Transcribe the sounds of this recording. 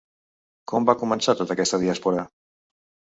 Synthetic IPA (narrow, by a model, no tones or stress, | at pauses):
kɔmbakumənsat̪ot̪əkɛst̪əðiaspuɾə